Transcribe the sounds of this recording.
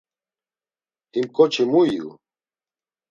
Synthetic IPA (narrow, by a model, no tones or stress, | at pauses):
imkʼɔt͡ʃʰimuiṵ